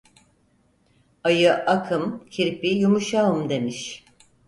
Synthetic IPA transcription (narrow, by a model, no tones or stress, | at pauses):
ajɯʔakʰɯmcʰiɾpijumuʃaɯmd̪e̞miʃ